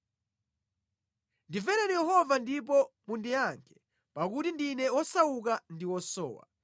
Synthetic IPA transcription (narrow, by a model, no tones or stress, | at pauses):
ndivɛɾɛnijɛɦɔvandip̬ɔmundiaŋkʰɛ̥ | pakutindinɛɔsawuk̬andiwɔsɔ̰ːwa̰